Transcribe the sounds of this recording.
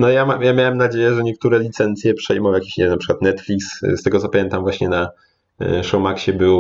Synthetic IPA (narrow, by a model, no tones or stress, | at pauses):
nɔjamamjamʲjawɛmnad͡ʑejɛʐɛɲɛk̚t̪uɾɛlʲit̪sɛnt̪sʲjɛpʂɛjmɔw̃jakʲi̥ɕɲɛnapʂɘkwat̪nɛt̪fʲlʲiksst̪ɛɡɔt̪ɔpamʲjɛnt̪amvwaɕɲɛna | ʂɔwmakɕɛbɘw